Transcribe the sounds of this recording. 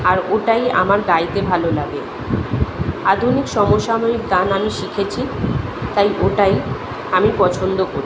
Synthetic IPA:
aɾoʈaja̰maɾɡajt̪ebʱalolabe | ad̪ʱunikʃɔmoʃamaɾik̚d̪anamiʃikʰet͡ɕʰit̪ajʔoʈaj | amipɔt͡ɕʰond̪okoɾ

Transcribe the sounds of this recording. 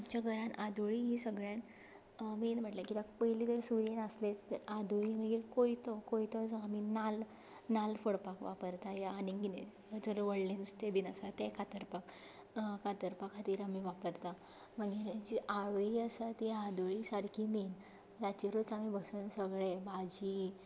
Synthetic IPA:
amt͡ɕaɡʱəɾãnʔad̪oɭiɦisəɡɭjan | menb̤ʱəʈlakit̪apəɦilid̪əɾsuɾenəslet͡st̪əɾad̪oɭiməɡiɾkoit̪ɔkoit̪ɔd͡zɔaminal | nalfəɽpakʋapəɾt̪ajaːniɡi | d͡zəɾəʋəɽlẽnust̪ebinasat̪ɛkat̪əɾpak | kat̪əɾpakat̪iːɾamiʋapəɾt̪a | məɡiːɾd͡ʑiʔaɭojiəsat̪iad̪oɭisaɽkʰimen | t̪at͡ɕiɾot͡samibəsənsəɡɭebad͡ʑi

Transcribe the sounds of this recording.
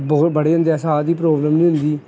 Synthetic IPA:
bbəɽeːʊnd̪ɛːsaːd̪iːp̬ɾoːbləmnĩːɦʊ̃nd̪iː

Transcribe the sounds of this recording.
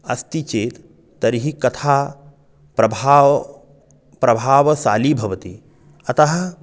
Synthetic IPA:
ɐst̪it͡ʃeːt̪ː | ɐɾiɦikɐt̪ʰaː | pɾɐbʱaː | pɾɐbʱaːʋɐsaːlibʱɐʋɐt̪i | ɐt̪ɐɦɐ̆

